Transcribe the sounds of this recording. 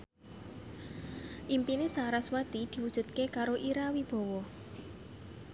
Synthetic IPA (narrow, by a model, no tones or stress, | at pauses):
ʔimpinesaɾaswat̪id̪̥i̤wud̥ʒ̥ṳt̪̚kekaɾoʔiɾawib̥ɔ̤wɔ